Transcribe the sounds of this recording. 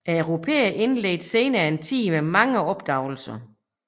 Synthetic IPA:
æɐøʊʁo̝pʰḛːɐʔe̝nlḛːd̥se̝ːnɐːe̝nt͡sʰḭːmemɑ̈ŋəɒ̽b̥̚d̥ɑ̈ʊl̩sɐ

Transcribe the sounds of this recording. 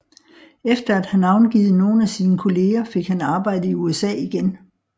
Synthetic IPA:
efd̥ɐæd̥hænɑ̈ʊnɡ̥iːð̩ˠno̝ːn̩æsiːnəkʰo̝le̝ːɐfe̝ɡ̥hænɑ̈ːb̥ɑ̈ɪ̰d̥əiuesɛ̰ːiɡ̥en

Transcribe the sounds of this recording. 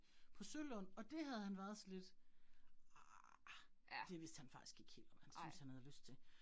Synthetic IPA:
pʰɒ̽sølɔn̰ɒ̽d̥e̝ɦæð̞ˠhænʋæɐð̞̩ˠsɒ̽le̝d̥ | d̥e̝ʋe̝sd̥hænfɑ̈ɡ̥i̥sɡ̥e̝ɡ̥he̝̰ːld̥ɒ̽mhænsynshænhæð̞ˠløsd̥t͡sʰe̝

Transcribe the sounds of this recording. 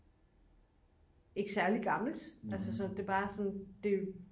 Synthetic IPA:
e̝ɡ̥əsæɐliɡ̥ɑ̈ml̩d̥ælsəsɒnd̥e̝b̥ɑ̈ːsɒ̽nd̥e̝

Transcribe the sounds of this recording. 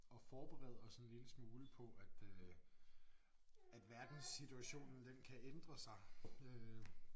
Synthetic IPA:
ɒ̽fɒːb̥eʁɛ̰ðˠɒsɒnliləsmoːləpʰɒ̽ʔæd̥ø | æd̥ʋæɐd̥n̩sit͡sʰuæɕo̝̰ːnn̩d̥enkʰæʔend̥ʁɐsɑ̈ɪø

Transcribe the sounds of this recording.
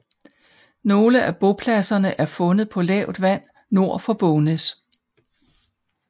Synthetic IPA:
no̝ːləʔæb̥o̝pʰlæsɐnəʔæɐfɔ̽nð̞̩ˠpʰɒ̽lɛ̰ʊ̰d̥ʋæn̰ | no̝ɐ̰fɒ̽b̥ɔnes

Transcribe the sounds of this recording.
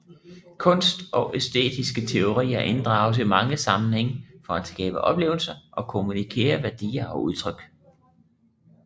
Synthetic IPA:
kʰɔ̽n̰sd̥ɒ̽ʔesd̥e̝̰ːd̥isɡ̥ət͡sʰe̝o̝ʁḭːɐʔe̝nd̥ʁɑ̈ːʊs̬imɑ̈ŋəsɑ̈mn̩heŋ̰fɒ̽æd̥sɡ̥ɛ̰ːb̥əʔɒ̽b̥le̝̰ːʊl̩sɐʔɒ̽kʰo̝munikʰe̝̰ːɐʋæɐd̥ḭːɐʔɒ̽ʔuð̞ˠt͡sʰʁœɡ̥

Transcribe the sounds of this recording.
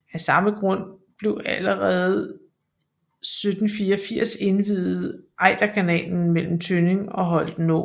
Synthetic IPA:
æsɑ̈məɡ̥ʁɔ̽n̰b̥le̝ʊæləʁɛːðˠ | sød̥n̩fiːɒfiɐ̰se̝nʋiðˠð̩ˠʔɑ̈ɪd̥ækʰænɛ̰ːln̩mel̰m̩t͡sʰøne̝ŋɒ̽ɦɒ̽l̰d̥no̰

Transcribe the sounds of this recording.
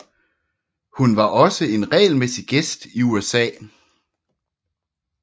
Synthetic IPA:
hunʋɑ̈ʔɒ̽səe̝nʁɛ̰ːlmesiɡ̥esd̥iuesɛ̰ː

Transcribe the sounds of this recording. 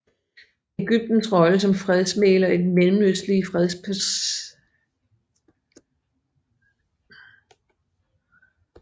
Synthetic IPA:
e̝ɡ̥yb̥̚d̥n̩sʁɒ̽ləsɒ̽mfʁɛðˠsmḛːlɒe̝d̥melm̩løslifʁɛð̞ˠspʰ

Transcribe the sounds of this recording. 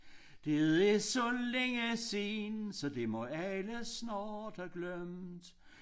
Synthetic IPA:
d̥eðesɒ̽leŋəsensɒ̽d̥e̝mɒ̽æləsnɑːd̥æɡ̥lœmd̥

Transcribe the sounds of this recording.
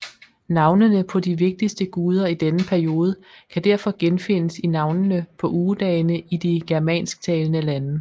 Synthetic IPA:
nɑ̈ʊnənəpʰɒ̽d̥iʋe̝ɡ̥̚d̥isd̥əɡ̥uːð̞ˠɐid̥enəpʰæɐio̝ːð̞ˠəkʰæd̥æɐfɒ̽ɡ̥enfe̝nəsinɑ̈ʊnənəpʰɒ̽ʔuːd̥ɛːɪnəid̥iɡ̥æɐmɛ̰ːnsɡ̥̚t͡sʰɛːlnəlænə

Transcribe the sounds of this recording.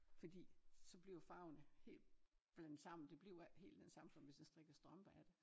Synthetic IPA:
fɒ̽d̥ḭːsɒ̽b̥liʊfɑ̈ʊnəhe̝̰ːl̥b̥lænd̥sɑ̈m̰n̩d̥e̝b̥li̝ʊhe̝̰ːld̥densɑ̈msɒ̽mʋe̝sd̥ensd̥ʁeɡ̥ɐsd̥ʁɒmb̥æd̥e

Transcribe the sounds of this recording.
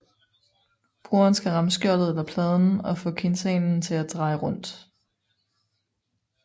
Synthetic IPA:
b̥ʁuɐnsɡ̥æʁɑ̈msɡ̥jɒɐd̥ð̩ˠelɐpʰlɛːð̞ˠn̩ɒ̽fɔ̰̽ːkʰe̝nsɛːnn̩t͡sʰe̝læd̥ʁɑ̈ɪʁɔ̽n̰d̥

